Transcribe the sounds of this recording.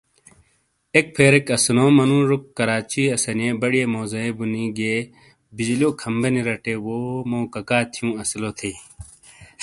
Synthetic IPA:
ek̚pʰeːɾekɐsnoːmɐnũːɾukːɐɾaːt͡ɕiɐsɐnẽːbɐɽijeːmoːzɐẽbuniɡeː | bid͡ʑlioːkʰɐmbɐniɾɐʈeːwoːmoːkɐkaːt̪ʰijũːɐsloːt̪ʰeː

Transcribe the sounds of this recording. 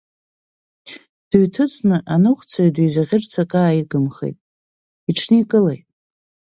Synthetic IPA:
d̥ɨɥtʰɨt͡sʰnɨʔanɨχʷt͡sʰaidejzaʁʲɪrt͡sʰakʼaːjiɡɨmχḛjtʼ | iʈ͡ʂʰnɨikʼɨlḛjtʼ

